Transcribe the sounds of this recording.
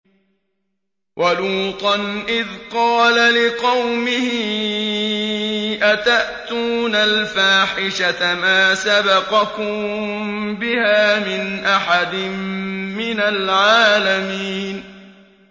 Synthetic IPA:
wʔaluːt̪ˤɑnʔɪðqɑːlalɪqɑwmɪhɪ | ʔat̪aʔt̪uːnalfaːħɪʃat̪amaːsabɑqɑkʊm | bɪhaːmɪnʔaħad̪ɪmmɪnalʕaːlamiːn

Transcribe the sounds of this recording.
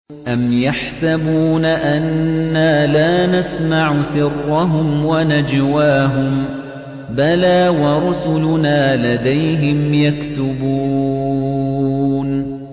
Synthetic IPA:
ʔamjaħsabuːnaʔanːaːlaːnasmaʕʊsɪrːɑɦʊmwanad͡ʒwaːɦʊm | balaːwɑɾˤʊsʊlʊnaːlad̪ajɦɪmjakt̪ʊbuː | n

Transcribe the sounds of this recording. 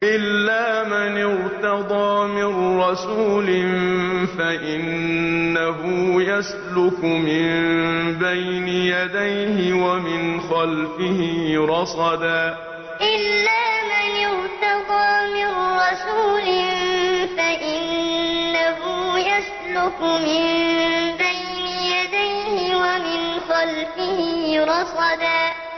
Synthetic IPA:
ʔɪlːaːmanɪɾt̪ɑd̪ˤɑːmɪnɾɑsuːlɪnfaʔɪnː | aɦʊːjas | lʊkmɪnbajnɪjad̪ajhɪwamɪnxɑlfɪhɪːɾˤɑsˤɑd̪aː | ʔɪlːaːmanjʊɾt̪ɑqɑːmɪnɾˤɑsuːlɪnfaʔɪnː | aɦʊːjas | lʊkmɪmbaj | nɪjad̪ajhɪwamɪnxɑlfɪhɪɾˤɑsˤɑd̪aː

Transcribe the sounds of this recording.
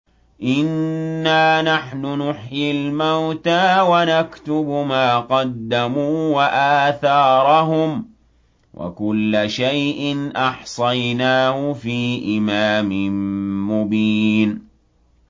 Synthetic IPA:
ʔɪnːaːnaħnʊnʊħjɪlmawt̪aːwanakt̪ʊbmaːqɑd̪ːamuːwaʔaːθɑːɾˤɑɦʊm | wʔa̰kʊlːaʃajʔɪnʔɑħsˤɑjnaːhʊfiːʔɪmaːmɪnmʊbiːn

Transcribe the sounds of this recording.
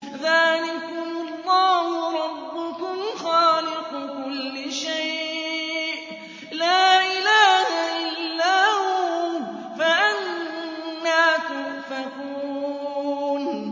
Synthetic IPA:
ðaːlɪkʊlˤːɑːhʊɾˤɑbːʊkʊmxɑːlɪqʊkʊlːɪʃajʔʔ | laːʔɪlaːhaʔɪlːaːhu | faʔanː | aːt̪ʊmfakuː | n

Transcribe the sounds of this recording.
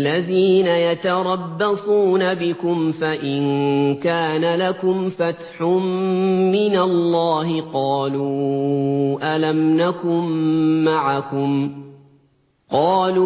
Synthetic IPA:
ʔlːaðiːnajat̪ɑɾˤɑbːɑsˤuːnabɪkʊmfaʔɪnkaːnalakʊmfat̪ħʊmːɪnalːɑːɦɪqɑːluː | ʔalamnakʊmːaʕakʊm | qɑːluː

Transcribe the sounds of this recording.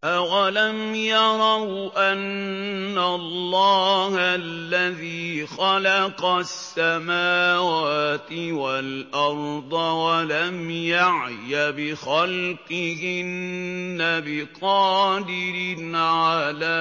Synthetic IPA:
ʔawalamjɑɾˤɑwʔanː | alˤːɑːhalːaðiːxɑlɑqɑsːamaːwaːt̪ɪwalʔɑɾˤd̪ˤɑwalamjaʕjabɪxalqɪhɪnːabɪqɑːd̪ɪɾɪnʕalaː

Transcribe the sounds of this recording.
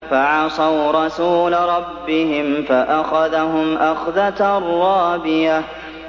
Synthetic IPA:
faʕɑsˤɑwɾˤɑsuːlaɾˤɑbːɪɦɪmfaʔaxaðaɦʊmʔaxðat̪rˤːɑːbɪja

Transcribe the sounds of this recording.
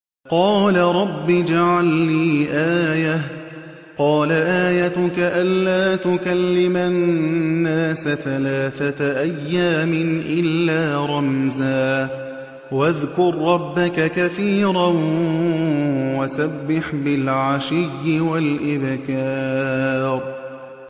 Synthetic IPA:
qɑːlaɾˤɑbːid͡ʒaʕalniːʔaːja | qɑːlaʔaːjat̪ʊkaʔanːaːt̪ʊkalːɪmanːaːsaθalaːθaʔajːaːmɪnʔɪlːaːɾˤɑmzaː | waðkʊɾˤːɑbːakakaθiːɾan | wasabːɪħbɪlʕaʃɪjːɪwalʔɪbkaː | ɾ

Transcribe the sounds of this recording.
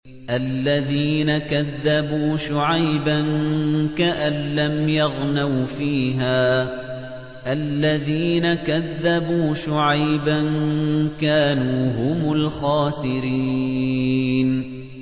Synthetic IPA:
ʔalːaðiːnakaðːabuːʃʊʕajbankaʔanlamjɑɣnawfiːɦaː | ʔalːaðiːnakaðːabuːʃʊʕajbankaːnuːɦʊmʊlxaːsɪɾiː | n

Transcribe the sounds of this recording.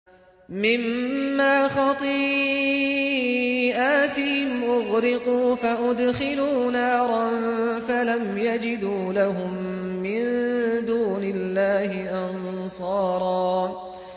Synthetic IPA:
mɪmːaːxɑt̪ˤiː | ʔaːt̪ɪhɪmʔʊɣɾɪquːfaʔʊd̪xɪluːnaːɾˤɑnfalamjad͡ʒɪd̪uːlaɦʊmːɪnd̪uːnɪlːaːhɪʔɑnsˤɑːɾˤɑː

